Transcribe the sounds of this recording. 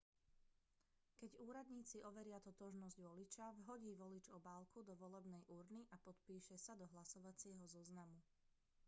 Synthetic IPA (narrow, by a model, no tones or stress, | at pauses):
kɛɟuːɾad̪ɲiːt͡siʔɔʋɛɾɪat̪ɔt̪ɔʒnɔzɟʋɔlit͡ʃaʋɦɔɟiːʋɔlid͡ʒɔbaːlˠkud̪ɔʋɔlɛbnɛjʔuɾniʔapɔt̪piːʃɛsad̪ɔɦlasɔʋat͡sɪɛɦɔzɔznamu